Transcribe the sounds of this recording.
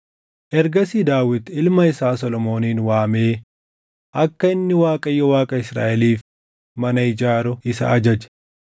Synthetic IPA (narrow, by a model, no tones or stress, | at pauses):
ʔɛɾɡɐsiːd̪aːwɪd̪ɪlmɐɪsaːsɔlɔmo̞ːniːnwaːmeː | ʔɐkːɐɪnːɪwaːkʼɐjːɔwaːkʼɐɪsɾa̰ːʔɛliːf | mɐnɐɪd͡ʒaːɾɔɪsɐ̰ʔɐd͡ʒɐd͡ʒɛ̥